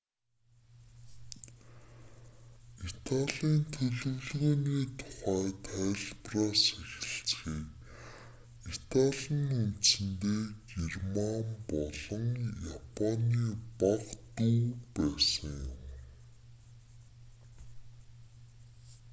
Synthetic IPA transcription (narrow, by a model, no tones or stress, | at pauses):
it̪ʰaɮiːnt̪ʰɵɮɵ̆wɮɣoːniːt̪ʰʊ̥χæːt̪ʰæːɮpraːsexɪ̆ɬt͡sxiːk | it̪ʰaɮĭnuntsɘ̆nt̪eːɡirmampɔɮɞ̆ŋjapʰaniːpaqt̪uːpæːsə̆ŋjʊm